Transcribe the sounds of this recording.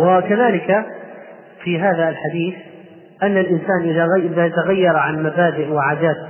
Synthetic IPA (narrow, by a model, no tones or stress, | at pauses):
wɪkaðaːlɪka | fiɦaːðaːlħad̪iːθ | ʔanːalʔɪnsaːnʔɪðaɣʔɪðaːt̪aɣajːɑɾˤʕanmabaːd̪ɪʔwɪʕaːd̪aːt̪